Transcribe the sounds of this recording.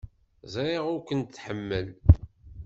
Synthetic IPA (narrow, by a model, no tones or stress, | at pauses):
zɾɪʁʊɾkʷənt̪θħəmːəl